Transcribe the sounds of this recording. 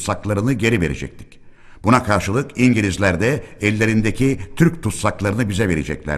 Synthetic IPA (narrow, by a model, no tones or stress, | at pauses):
saklˠaɾɯnɯɟe̞ɾive̞ɾḛd͡ʒɛ̰c̚t̪ʰi̥c | b̥unakʰaɾʃɯlˠɯkiɲɟilʲizlʲæɾd̪ɛɛlʲːe̞ɾind̪ecʰit̪ʰyɾc̚t̪ʰut̪saklˠaɾɯnɯbizɛve̞ɾḛd͡ʒɛ̰clʲæ̰